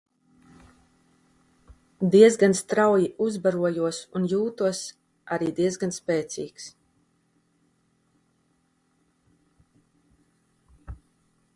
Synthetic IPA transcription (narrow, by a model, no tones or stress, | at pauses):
d̪iɛzɡanst̪ɾawjiʔuzbaɾuɔjuɔsunjuːt̪uɔs | aɾiːd̪iɛzɡanspɛːt̪sḭːks